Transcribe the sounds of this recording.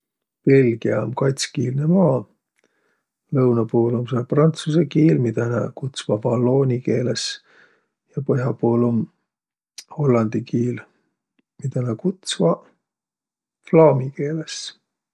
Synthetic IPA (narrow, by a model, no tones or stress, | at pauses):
pe̞lʲɡ̥iɑomkɑjt̪skiːlnemɑː | lɤwnɑpoːloms̬ɑlprɑnt̪susekiːlmit̪ɑnɑkut̪svɑvɑlːo̞ːnʲike̞ːles | jɑpɤɦjɑpoːlom | ho̞lːɑnd̪̥ikiːl | mit̪ɑnækut̪svɑ | flɑːmike̞ːles